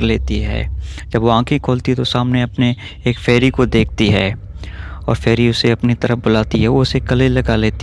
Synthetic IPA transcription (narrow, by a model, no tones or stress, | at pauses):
ɾleːt̪iɦɛ̰ːd͡ʒɐbʋoãːkʰẽkʰoːlt̪iɦɛt̪osaːmneɐpne | eːkfɛːɾikod̪eːk̚ʰt̪iɦɛː | ɔ̰ːɾfɛːɾiʊseɐpnit̪ɐɾəfbʊlaːt̪iɦɛʋoʊsekɐlelɐɡaleːt̪i